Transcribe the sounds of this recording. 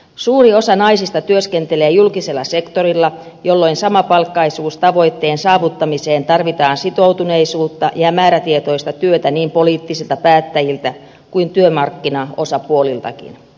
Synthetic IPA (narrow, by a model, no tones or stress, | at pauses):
suːrio̞sɑnɑisist̪ɑt̪yøske̞nt̪e̞leːjulkise̞lːɑ̰se̞kt̪o̞ɾilːɑ | jo̞lːo̞insɑmɑpɑlkːɑisuːst̪ɑʋo̞jt̪ːe̞ːnsɑːʋut̪ːɑmise̞ːnt̪ɑrʋit̪ɑːnsit̪o̞wt̪une̞isuːt̪ːɑjɑmæːɾæt̪iet̪o̞ist̪ɑt̪yøt̪æniːmpo̞liːt̪ːisilt̪ɑpæːt̪ːæjilt̪æ | kuint̪yømɑrkːinɑo̞sɑpuolilt̪ɑ̰kḭn